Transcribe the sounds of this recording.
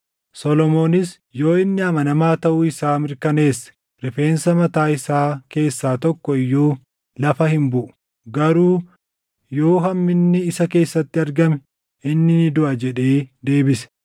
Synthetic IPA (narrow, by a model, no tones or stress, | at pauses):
sɔlɔmo̞ːnɪs | jo̞ːɪnːɪɐmɐnɐmaːt̪ɐʔuːɪsaːmɪɾkɐne̞ːsːɐ̥ | ɾɪfe̞ːnsɐmɐt̪aːɪsaːke̞ːsːaːt̪ɔkːɔɪjːuː | lɐfɐhɪmbʊʔʊ̥ | ɡɐɾuː | jo̞ːɦɐmːɪnːɪɪsɐke̞ːsːɐt̪ːɪɐɾɡɐmɛ | ɪnːɪnɪd̪ʊʔɐd͡ʒɛᶑe̞ːd̪e̞ːbɪsɛ̥